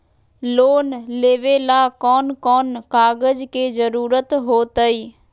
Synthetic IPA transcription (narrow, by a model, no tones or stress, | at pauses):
loːnleːʋeːlaːkɔːnkɔːnkaːɡəd͡ʒked͡ʒəɾuːɾət̪ɦoːt̪əiː